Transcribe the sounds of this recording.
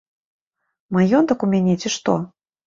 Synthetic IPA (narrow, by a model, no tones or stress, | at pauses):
majɔnt̪ɐkumʲanʲet͡sʲiʂt̪ɔ